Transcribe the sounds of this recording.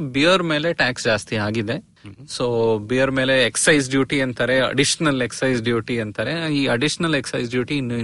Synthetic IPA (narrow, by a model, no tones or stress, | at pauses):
bijɐɾme̞ːleʈaːksd͡ʒaːst̪iaːɡid̪e̞ | soːbijɐɾme̞ːleeksɐjsɖjuːʈiɐnt̪ɐːɾeɐ̰ɖiʃɐnɐleksɐjsɖjuːʈiɐnt̪ɐːɾeiːɐɖiʃɐnɐleksɐjsɖjuːʈinːu